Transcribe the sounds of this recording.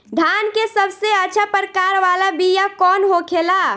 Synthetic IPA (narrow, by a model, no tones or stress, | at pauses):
ɖ̪ʱaːnkesəbseətːt͡ʃʰapəɾkaːɾʋalabʱijakɔːnɦokʰela